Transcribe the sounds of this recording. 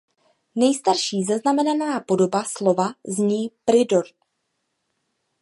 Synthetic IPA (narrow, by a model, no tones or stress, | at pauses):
nɛjst̪aɾʃiːzaznamɛnanaːpo̞do̞baslo̞vazɲiːpɾɪdo̞ɾ